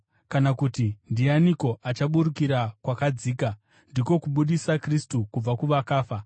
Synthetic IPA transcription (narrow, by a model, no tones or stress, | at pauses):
kanakutindijaniko̞ʔat͡ʃaɓuɾukiɾakwakad͡ziːka | ndiko̞kuɓuɗisakristukub͡vakuʋakaːfa